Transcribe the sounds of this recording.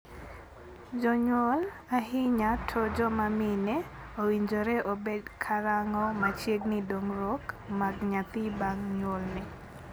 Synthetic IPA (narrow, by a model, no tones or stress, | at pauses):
d͡ʒɔɲwol | aɦɪɲatʰɔd͡ʒɔmamɪnɛ | owiɲd͡ʒoɾɛʔobedkʰaɾaŋɔmat͡ʃjeɡnɪdoŋɾɔkmaɡɲat̪ɪbaŋɲwolnɪ